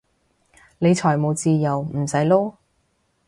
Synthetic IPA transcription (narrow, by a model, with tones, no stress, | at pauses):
ne˨˧jt͡ʃʰɔː˨˩jmo˨˧wt͡siː˧jɐ˨˩wm̩˨˩sɐ˨˥jlo˥